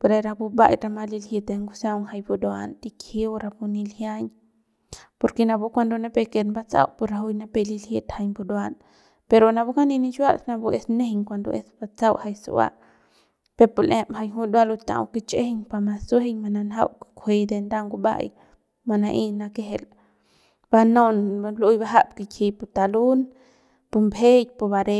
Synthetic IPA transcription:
poɾe˧ɾa˧bu˧ba̰˦jɾama˧li˧lhit̪e˧ŋɡusawŋha˧jbu˧d̪wa̰nt̪ikhi˦wɾapuni˧lhjaɲ | poɾke˧na˧bu˦kʷa˧nd̪o˧na˦pe˧ke˧t̪nba˦t͡sa̰˦wʔpuɾau˦jna˦pelilhi˦t̪hajbu˧d̪wan | peɾona˧buka˦ni˧ni˦t͡ʃwa˦sna˧bu˦e˧sne˦hiŋkʷand̪o̰ʔe˧sbat͡sawʔha˧jsṵwa̰˦ʔ | pe˧pu˧le˦mha˧jɦu˦d̪wa˦lu˧t̪a̰˨wke˦t͡ʃe˦heɲpa˧ma˧su˦ɦe˦ɲma˧na˧nɦa̰˦wkkʰʷwe˧d̪e˧nd̪a˦ŋɡu˧ba̰˦j | ma˧na˧ʔi˦na˧ke˦ɦe˧l | b̥a˧no˦nlu˦jba˦ɦa˦bke˧kʰi˧pu˧t̪a˨lu˦n | pu˧mbe˦j̚pu˧ba˧ɾe˧

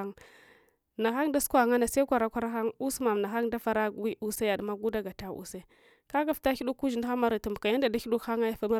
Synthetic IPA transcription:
ŋ | na˨xa˦ŋda˦su̥˦kʷa˦˨ŋa˦na˨se˦kʷa˨ɾa˦kʷa˦ɾa˦xa˦ŋu˦sma˨m˨na˨xa˦ŋda˦fa˦ɾa˦˨wi˦ʔu˦se˦ja˨dma˦ɡu˦da˦ɡa˨ta˦ʔṵ˨se˦ | ka˦ɡa˨fta˦i˦ɗu˦kːu˦d͡ʒi˨n˦xa˦ma˦ɾi˨tu˨mbka˨ja˦nda˨da˦i˦du˦kxa˦ŋa˦ja˦fa˦ma˦

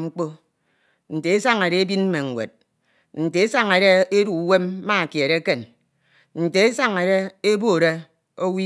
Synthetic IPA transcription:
ŋ͡m̩˦k͡po˦ | n̩˨te˨e˦sa˦ŋe˨ɾe˦e˦bi˦nm̩˦me˨ŋ̩˨wʷḛ˨t̚ | n̩˨te˨e˦sa˦ŋe˨ɾe˦e˦ɾu˨˦we˦mː˦a˦˨kje˨ɾe˦ke˦n | n̩˨te˨e˦sa˦ŋe˨ɾe˦e˦bo˦˨ɾe˦ | o˦wi˦

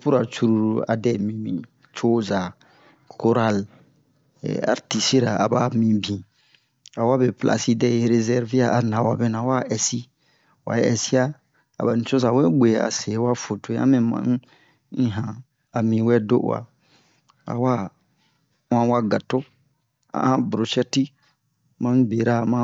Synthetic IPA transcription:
pu˦ɾa˨t͡ʃu˦ɾu˦˨ɾu˨a˨dɛ˦˨mĩ˨mĩ˨ | t͡ʃo˦za˨ | ko˦ɾa˦l | ɛ̰˨a̰˨ɾti˨si˦ɾa˨a˨ba˦mĩ˨bĩ˨ | a˨wa˦be˨plʔa̰˨si˦dɛ˦˨je˨ɾe˧zɛ˦ɾvi˦a˦˨ʔa˨nã˨wa˨bɛ˦nã˨wa˦ʔɛ˨si˦ | wa̰˨˦ɛ̰˨si˦a˦ | a̰˨ba˨nĩ˨t͡ʃo˦sa˨wɛ˦ɡ͡be˨a̰˨se˨˦wa˦fo˨to˨˦a̰˦mɛ̃˨mã̰˨n˦ | ĩ˦ɦã˨ | a˨mĩ˨wɛ˦do̰˦ʔwa̰˨ | a̰˨wa˦ | wã˦wa˦ɡa˨to˦ | a̰˨ʔã˦bɾo˨ʃɛ˦ti˦ | mã˦be˨ɾa˦˨mã˦

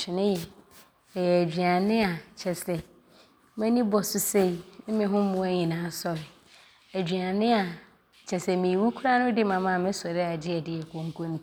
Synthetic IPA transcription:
ʃʰɪ˨nɪ̃˦jɛ˨ | ɛ˨jɛ˨æ˨d͡ʑᶣi˨a˨nɪ̃˦a˨t͡ɕʰɛ˨sɛ˨ | mɛ̃˦nĩ˦bɔ˨sʊ˦se˦i˨n̩˦mɪ̃˨ɦʊ̃˦mʊ̃˦æ˦ɲĩ˨nãː˨˦sɔ˦ɾɪ˨ | æ˨d͡ʑᶣɥa˨nɪ̃˦a˨ | t͡ɕʰɛ˨sɛ˨mĩ˨wu˦kʰu˦ɾa˦nʊ̃˦dɪ˦mã˨mã˦˨mɪ̃˦sɔ˨ɾɪ˦a˨d͡ʑɪ˦ɛ˨dɪ˨ɛ˨kʰõ˨ŋ˨kʰõ˦m˨˦

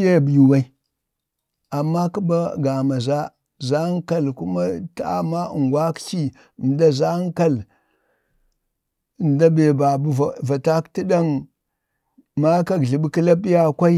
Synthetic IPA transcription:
je˦˨bju˨wa˦i˦ | a˨mːa˦ki˦ba˦ɡa˨ma˨za˦ | za˦ŋ˦ka˦˨lku˦ma˦ta˦a̰˦˨ma˦˨ŋɡwa˦kt͡ʃi˦˨ | n˨da˦za˦ŋ˦ka˦l | nda˦be˨ba˨bu˦˨va˨ta˦kti˦ɗa˦ŋ | ma˦ka˨ɡɮi˨ɓki˦la˦bi˦ja˦kʷa˦i˦

